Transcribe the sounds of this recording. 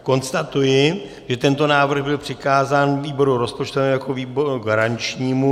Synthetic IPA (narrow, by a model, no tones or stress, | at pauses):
ko̞nst̪at̪ujɪ | ʒɛt̪ɛnt̪o̞naːvr̩ɣbɪlpr̥ɪkaːzaːnviːbo̞ɾuɾo̞spot͡ʃt̪ovɛmjakoviːboɾuɡaɾaɲt͡ʃɲiːmu